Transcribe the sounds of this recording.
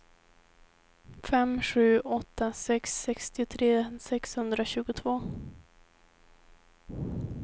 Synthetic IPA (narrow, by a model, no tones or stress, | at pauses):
fɛmɧʉ̟ːɔt̪ːasɛksːɛkst̪ɪʊt̪ʰɾeːsɛkshɵnd̪ɾaɕʉ̟ːɡʊt̪ʰvoː